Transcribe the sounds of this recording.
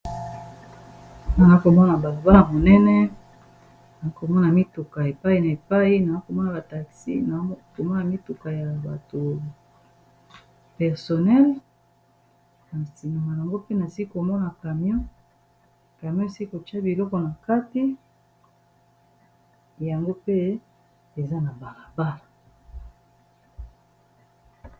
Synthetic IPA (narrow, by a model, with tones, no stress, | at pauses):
na˨na˦ko˨mɔ˦na˨ba˨lo˨ba˦na˨mo˨nɛ˦nɛ˦ | na˨a˦ko˨mɔ˦na˨mi˦tu˨ka˨e˨pa˦i˨na˨e˨pa˦i˦na˨na˦ko˨mɔ˦na˨ba˨ta˨ksḭ˦na˨˦ko˨mɔ˦na˨mi˦tu˨ka˨ja˨ba̰˨to˨ | pɛ˨ʁso˨nɛ˦l | na˨si˨na˨ma˨ja˨ŋɡo˦pe˦na˨si˦ki˦ko˨mɔ˦na˨ka˨mjo˦ | ka˨mjo˦˨si˦ki˦ko˨t͡ʃa˦bi˨lɔ˦kɔ˨na˨ka˦ti˦ | ja˨ŋɡo˦pe˦ | e˨za˦na˨ba˨la˨ba˦la˨